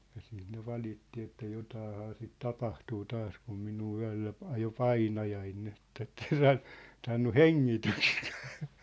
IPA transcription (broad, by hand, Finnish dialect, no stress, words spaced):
jɑ siːt ne ʋɑlitːi etːæ jotɑːhɑː sit tɑpɑhtuː tɑːs kum minuː yæ̝lːæ p ɑjo pɑinɑjɑin nin et etː en sɑːn sɑːnːu heŋːitystkæ̥ː